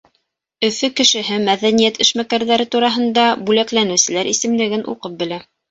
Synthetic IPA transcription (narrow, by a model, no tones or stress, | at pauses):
ɵ̆fɵkɘ̆ʃɘ̆ɦɘmæðænijæt̪ɘ̆ʃmækæɾðæɾɘt̪uɾɑɦɤ̆nd̪ɑbʉlæklænɘ̆sɘ̆læɾʔisɘ̆mlɘ̆ɡɘnʔṵqɤp̚bɘ̆læ